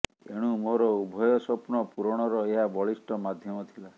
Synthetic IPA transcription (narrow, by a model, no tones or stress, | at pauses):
ḛɽ̃ũmoɾɔubʱɔjɔsɔpnɔpuɾɔɽ̃ɔɾɔeɦabɔɭisʈɔmad̪ʱjɔmɔt̪ʰila